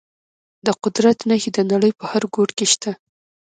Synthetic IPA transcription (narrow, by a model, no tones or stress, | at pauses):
d̪əqʊd̪ɾat̪nəhid̪ənaɽəjpəhaɾɡoʈkeʃt̪a